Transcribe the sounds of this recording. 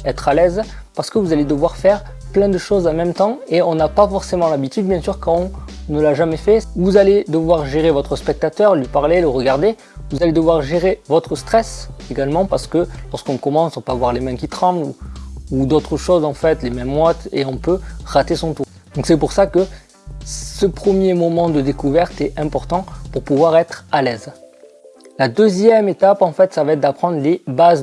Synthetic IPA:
ɛt̪χalɛz | paʁsə̥kəvuzaled̪əvwaʁfɛʁ | plɛ̃d̪əʃozamɛ̃mt̪ɑ̃eɔ̃napafɔʁsemɑ̃labit̪yd̪̚bjɛ̃syʁkɑ̃ɔ̃nəlaʒamɛfɛvuzaled̪əvwaʁʒeʁevɔt̪χəspɛk̚t̪at̪œʁlɥipaʁleləʁəɡaʁd̪e | vuzaled̪əvwaʁʒeʁevɔt̪χəst̪χɛseɡalmɑ̃paʁsə̥kəlɔʁskɔ̃kɔmɑ̃sɔpavwaʁlemɛ̃kʲit̪χɑ̃bluud̪ot̪χəʃozɑ̃fɛt̪lemɛ̃mːwɔt̪eɔ̃pøʁat̪esɔ̃t̪u | d̪ɔ̃ŋksɛp̬uʁsakə | səpχəmjemɔmɑ̃d̪əd̪ekuvɛʁt̪ɛɛ̃pɔʁt̪ɑ̃puʁpuvwaʁɛt̪χalɛz | lad̪øzjɛmet̪apɑ̃fɛt̪savaɛt̪̚d̪apχɑ̃d̪ʁlebaz

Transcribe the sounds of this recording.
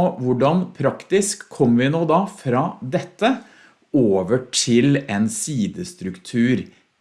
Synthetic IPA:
ʋʊɖɑnpʰɾɑkt̪ɪskʰːɔmːʋɪnoːd̪ɑfɾɑːd̪ɛt̪ːə | oːʋəʈʰɪleːnsiːd̪əst̪ɾʉkt̪ʰʉːɾ

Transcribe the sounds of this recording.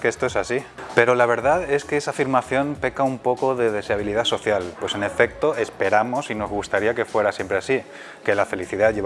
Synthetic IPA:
kest̪oe̞sasipe̞ɾo̞laβ̞e̞ɾðaðe̞skeesafiɾmaθjo̞npe̞kaumpo̞ko̞ðe̞ðe̞seaβ̞iliðaso̞θjalpwe̞se̞ne̞fe̞k̚t̪o̞e̞spe̞ɾamo̞sino̞zɣust̪aɾiake̞fwe̞ɾasje̞mpɾeasi | ke̞lafe̞liθiðaʝeβ

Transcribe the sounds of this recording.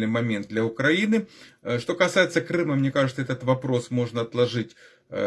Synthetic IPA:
nɨjmɐmʲend̪̚d̪lʲɐʊkɾɐinɨʂt̪o̞kɐsajɪt̪səkɾɨməmnʲekaʐɨt̪səɛt̪ət̪vɐpɾo̞smo̞ʐnɐɐt̪lˠɐʐɨtʲ

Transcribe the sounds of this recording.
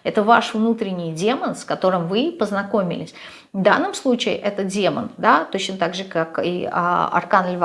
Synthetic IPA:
ɛt̪əvaʂvnut̪ɾʲɪnʲːɪjdʲe̞mənskɐt̪o̞ɾɨmvɨpəznɐko̞mʲɪ̰lʲɪsʲ | vd̪anːɨmslˠut͡ɕɪɪ̰ʔɛt̪ədʲe̞mə̰nd̪at̪ot͡ɕnət̪aɡʐɨkakḭa̰ɐ̰rkanɪlʲv

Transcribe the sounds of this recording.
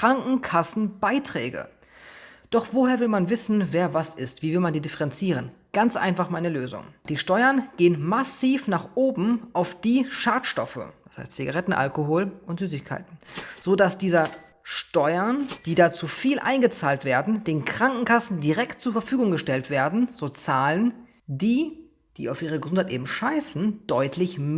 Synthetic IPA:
kʁ̥aŋkŋ̩kʰasn̩b̥aɪtʁ̥ɛ̰ːɡə̰ | d̥ɔχv̥oːheːɐvɪlmanvɪsn̩veːɐvasɪstv̥iːvɪlmandiːdɪfəʁɛnt͡siːʁ̞ənɡ̥ant͡sʔa̰ɪnfaχmaɪnəløːzʊ̰ŋd̥iːʃtɔʏɐnɡ̥eːənmasiːfnaːχʔoːbm̩ʔaʊfd̥iːʃaːtʃtɔfə̰d̥ḁsha̰ɪstt͡siɡaʁɛtn̩ʔa̰lkoɦoːlʔʊntz̥yːs̬ɪçkʰa̰ɪtn̩z̥oːdasd̥iːzɐ | ʃtɔʏɐnd̥iːdaːt͡suːfiːlʔa̰ɪnɡət͡saːltv̥eːɐdn̩d̥eːnkʁ̥aŋkŋ̩kʰasn̩diʁɛktt͡suːɐfɛɐfyːɡʊŋɡəʃtɛltv̥eːɐdn̩z̥oːt͡saːlən | diː | d̥iːaʊfʔiːʁ̞əɡəzʊnthaɪtʔeːbm̩ʃaɪsn̩d̥ɔʏtʰlɪçm

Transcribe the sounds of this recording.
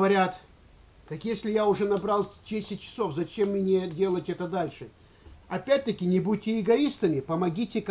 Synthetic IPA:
vɐɾʲat̪ | k̪ɐkjesʲlʲɪjaʊʐɛnɐbɾalˠʲdʲesʲɪt̚ʲt͡ɕːɪ̥sofzɐt͡ɕemːnʲedʲe̞lˠətʲɛt̪əd̪alʲʂɨ | ɐpʲæt̚ʲt̪əkʲɪnʲɪbut̚ʲtʲːɪɪɡɐist̪əmʲɪpəmɐɡʲitʲɪk

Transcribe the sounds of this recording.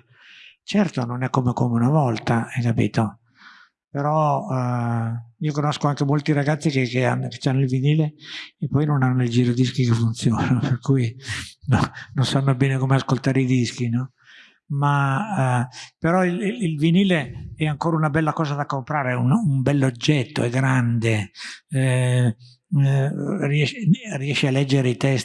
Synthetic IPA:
t͡ʃɛrt̪ononɛkːomekomeunavɔlt̪aɛjkːapḭːt̪o | peɾɔ | iːokonoskoaŋkemolt̪iɾaɡat̪sːikekeanːoke̥t͡ʃːanːoilviniːleːpːɔjnonanːoild͡ʒiːɾod̪iskikefːunt̪sjoːnaperkuːjinononsanːobɛːnekomeaskolt̪aːɾeid̪iskinɔ | ma | peɾɔililviniːleɛaŋkoːɾaunabɛlːakɔːzad̪akompɾaːɾeunumbɛlːod͡ʒːɛt̪ːo̰ɛɡɾand̪e | riɛʃriɛʃːealːɛd͡ʒːeɾeit̪ɛs

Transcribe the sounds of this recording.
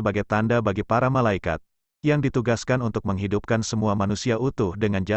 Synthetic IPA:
əbaɡajt̪andabaɡipaɾamalaika̰t̪̚ | jaŋdit̪uɡaskanunt̪ʊk̚məŋɦidup̚kansəmuamanusiaʔut̪ʊhdəŋand͡ʒa

